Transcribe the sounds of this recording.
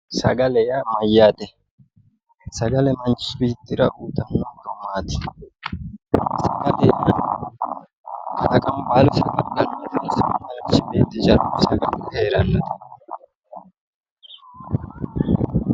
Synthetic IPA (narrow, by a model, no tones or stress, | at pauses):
sɐ̰ɡɐlɛjamɐjːaːt̪ɛ | sɐɡɐlɛmɐnt͡ʃɪbit̪ːɪɾɐ̰ʔuːt̪ɐnːɔd̪ɔmːaːt̪ɪ̥ | sɐɡɐlɛja | kɐlɐkʼɐmbaːlʊsɐɡɐlːɐnːɐɐsɐmmɐlt͡ʃɪbeːt̪ɪd͡ʒɐɾusɐɡɐlheːɾɐnːɐt̪ɛ̥